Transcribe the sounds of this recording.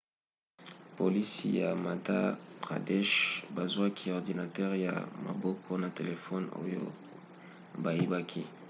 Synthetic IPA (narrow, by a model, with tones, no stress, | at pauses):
po˨li˦si˦ja˨ma˨ta̰˦b̥ʁa̰˨dɛ˦ʃba˨zwa˦kʰi˦ɔ˨ʁdi˨na˨tɛ˦ʁja̰˨ma̰˨bɔ˦kʰɔ˦na˨te˨le˨fɔ˦no̰˦jo̰˦ | ba˨je˦ba˦kʰi˦